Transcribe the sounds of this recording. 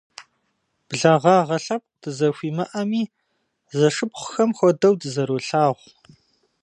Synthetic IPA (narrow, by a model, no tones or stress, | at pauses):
b̥ɮaːʁɑːʁɐɬɐp̚dʰɨzɐxʷiːmɐʔɐmiː | zɐʂɨpχʷʊxɐmxʷɔdɐwdɨzɐɾuːɬaːʁʷ